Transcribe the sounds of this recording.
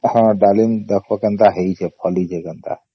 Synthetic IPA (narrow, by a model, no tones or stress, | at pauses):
hə̃ɖalind̪əkʰbɔkənt̪aɦeit͡ʃʰɛpʰəlit͡ʃʰɛkənt̪a̰